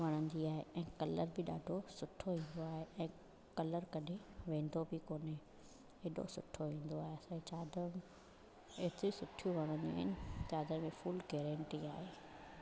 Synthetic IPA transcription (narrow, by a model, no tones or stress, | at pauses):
ʋɐɽ̃ə̃nd̪iaːɦḛʔɛ̃ːkɐləɾbɪɗaːɖʱosʊʈʰoʋĩːn̆d̪oaːɦeʔɛ̃ː | kɐləɾkɐɗʱẽʋẽːn̆d̪obɪkoːne | ɪɗo̰sʊʈʰoʋĩːn̆d̪oaːɦeɐsãt͡ɕaːd̪əɾm | eɦt̪ɾisʊʈʰijuʋɐɽ̃ə̃nd͡ʑḛɪ̰nɪt͡ɕaːd̪əɾmẽfuːlɡeːɾɛ̃ːɳʈiaːɦeː